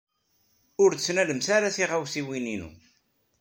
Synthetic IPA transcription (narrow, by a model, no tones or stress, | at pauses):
ʊɾd̪əsnæləmsaɾaθiʁawsiwininṵ